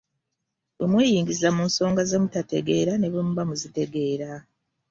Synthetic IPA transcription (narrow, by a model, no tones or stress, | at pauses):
βomweːjiːŋɡizamuːnso̞ːŋɡaze̞mutate̞̰ɡe̞ːɾane̞βomuβamuzite̞ɡe̞ːɾa